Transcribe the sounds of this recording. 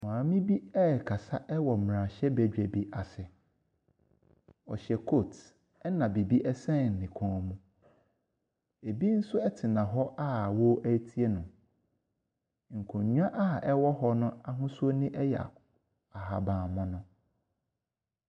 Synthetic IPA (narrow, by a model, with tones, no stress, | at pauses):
mãː˨mɪ̃˦bi˦ɛ˦˨kʰa˨sa˦ʔɛ˦wɔ˨m˨ɾã˨ɕɛ˦bæ˨d͡ʑᶣɛ˨bi˦˨ʔa˨sɪ˨ | ɔ̰˨ɕɛ˨kʰo˦˨t | ɛ˦nã˨bi˨bi˦ʔɛ˦sɛ̃˦˨n̩˨nɪ̃˨kʰɔ̃˨˦˨mũ˦ | e˨bi˦n̩˦sʊ˦ɛ˦tʰɪ˨nã˨ɦɔ˦ʔa˦˨wo˦ʔæ˦tʰi˦e˦nʊ̃˨ | ŋ̩˨kʰʊ̃˨˦ɲᶣ˦ã˦ʔa˦˨ʔɛ˦wɔ˦ɦɔ˦nʊ̃˦a˦ɦʊ̃˦su˦o˦nɪ̃˦ʔɛ˦jɛ˨a̰˨ | a˨ɦa˨bãː˨mã˦nʊ̃˦